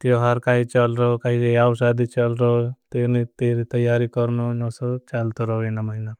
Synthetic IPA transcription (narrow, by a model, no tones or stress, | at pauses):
t̪joɦaɾkaːit͡ʃəlɾəɦokaːɦid͡ʒeiawsad̪it͡ʃəlɾəɦot̪enit̪eɾit̪əjːaːɾikɔɾnonosot͡ʃalt̪oɾəɦoenaməɦina